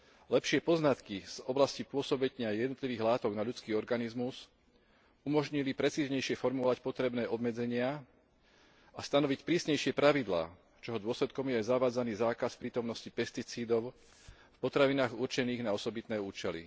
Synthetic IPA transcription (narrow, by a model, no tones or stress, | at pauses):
lɛpʃɪɛpɔznat̪kiz̥ɔblascipʊɔsɔbɛɲɲɪajɛd̪nɔt̪liʋiːɣlaːt̪ɔɡnaʎut͡skiːɔɾɡanizmuz | umɔʒɲilipɾɛt͡siːzɲɛjʃɪɛfɔɾmɔʋacpɔt̪ɾɛbnɛːʔɔbmɛd͡zɛɲɪa | ast̪anɔʋicpɾiːsɲɛjʃɪɛpɾaʋid̪la̰ː | t͡ʃɔɦɔd̪ʊɔslɛt̪kɔmjɛajzaʋaːd͡zaniːzaːkaspɾiːt̪ɔmnɔscipɛst̪it͡siːd̪ɔʊ | fpɔt̪ɾaʋinaːɣuɾt͡ʃɛniːɣnaɔsɔbit̪nɛːuːt͡ʃɛlḭ